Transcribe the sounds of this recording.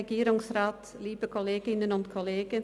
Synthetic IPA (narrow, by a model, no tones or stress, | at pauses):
əɡiːɾɪŋsraːt | liːbəkɔleːɡɪnənɔntkʰɔleːɡə